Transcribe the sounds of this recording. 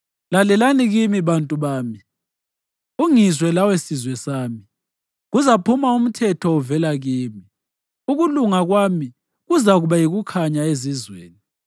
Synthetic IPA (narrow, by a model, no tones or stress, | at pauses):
lalɛlaniɣimiβantʼuβaːmi | uŋizwɛlawesizwɛsaːmi | ɣuzapʰumaum̩tʰɛtʰɔɔvɛlaɣiːmi | uɣuluŋaɣwaːmi | ɣuzaɣuβajiɣukʰaɲaezizwḛːni